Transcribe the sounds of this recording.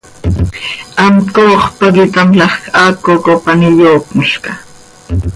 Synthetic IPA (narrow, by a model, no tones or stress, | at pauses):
amtoːχpaɡɪt̪amlɑχkakokopanɪʎoːkmʊʃka